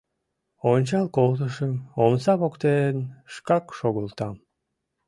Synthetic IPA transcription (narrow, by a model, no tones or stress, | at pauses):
ont͡ɕɑlˠkolˠt̪uʃəmomsɑpokt̪enʃkɑkʃoɣulˠt̪ɑm